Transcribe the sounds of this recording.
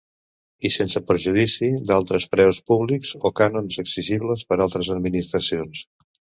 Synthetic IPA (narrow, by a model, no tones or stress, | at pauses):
isensəpəɾʒuðisid̪alˠt̪ɾəspɾɛwspuβlikzokanonzəkziʒiβləspəɾalˠt̪ɾəzəd̪minist̪ɾəsions